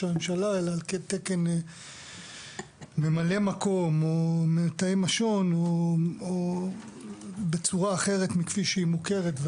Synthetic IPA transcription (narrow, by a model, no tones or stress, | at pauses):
ame̞mʃalaelaːlket̪ekene | me̞male̞mako̞momenat̪aimaʃo̞noo | bet͡suʁaːχe̞ʁetmikfiʃeimuke̞ʁetve